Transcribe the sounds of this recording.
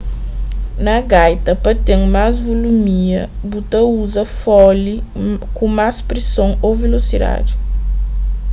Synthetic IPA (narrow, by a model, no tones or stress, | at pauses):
nɐɡajt̪ɐpɐt̪ẽŋmazvolumiɐ | but̪ɐuzɐfɔlikõmaspɾesõwowvelosiɾa̰ɾ